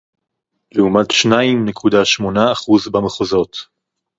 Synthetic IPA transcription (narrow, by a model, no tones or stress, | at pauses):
leumatʃnaimnekʰudaʃmo̞naːχuzbameχozo̞t